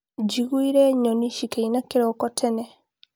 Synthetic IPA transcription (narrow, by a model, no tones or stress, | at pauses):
d͡ʒiɣuiɾɛɲɔniʃikeinakiɾɔkɔtʰɛnɛ